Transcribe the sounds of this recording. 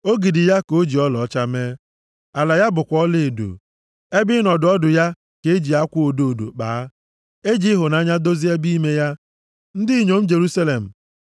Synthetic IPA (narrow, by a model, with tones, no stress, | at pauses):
o˦ɡi˨dɪ˨ja˦ko˦d͡ʒi˨ɔ˦lɔ˨˦t͡ʃa˦me˦ | a˨la˨ja˦bʊ˨kʷɔ˦le˨e˨do̰˨ | e˦bɪ˦nɔ˨dʊ˨ɔ˦dʊ˨ja˦ | ke˨e˦d͡ʒi˨a˦kʷu˦o˨do˨do̰˨k͡pa̰ː˨˦ | e˦d͡ʒi˦ɦʊ˨na˨˦ɲa˦do˦zi˦e˦bi˦me˦ja˦ | n̩˦dɪ˦i˦ɲo˨m̩˦d͡ʒe˨ɾu˦sa˦le˨m̩˨